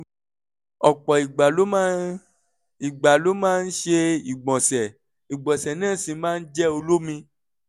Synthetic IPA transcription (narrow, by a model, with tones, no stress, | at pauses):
ɔ˨k͡pɔ˨i˨ɡ͡ba˨o˦ | i˨ɡ͡ba˨lo˦mãː˦n̩˦ʃe˧i˨ɡ͡bɔ̃˨sɛ˨ | i˨ɡ͡bɔ̃˨sɛ˨nãː˦˨sĩ˧mãː˦n̩˦d͡ʒɛ˦o˧lo˦mĩ˧